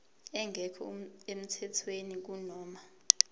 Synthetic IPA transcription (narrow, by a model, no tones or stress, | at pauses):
ɛŋɡʱɛkʰɔem̩tʰɛtʰwenik̬unɔːma